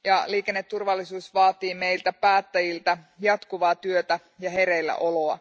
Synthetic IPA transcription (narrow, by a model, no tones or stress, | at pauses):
jɑliːkenːet̪ːurʋɑlːisuːsʋɑːt̪iːme̞jlt̪æpæːt̪ːæjilt̪æ | jɑt̪kuʋɑːt̪yøt̪æ | jɑɦe̞ɾeilːæ̰ʔo̞lo̞ɑ